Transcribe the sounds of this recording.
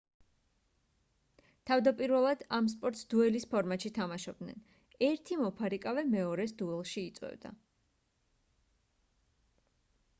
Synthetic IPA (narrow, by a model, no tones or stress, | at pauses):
t̪ʰavd̪apʼiɾvɛlˠad̪ams̬pʼɔɾt̪sd̪uɛlispʰɔɾmat̪ʃit̪ʰamaʃɔb̚d̪nɛ̰n | ɛɾt̪ʰimɔpʰaɾikʼavɛmɛɔɾɛsd̪uɛlˠʃiːt̪sʼwɛ̰vd̪a̰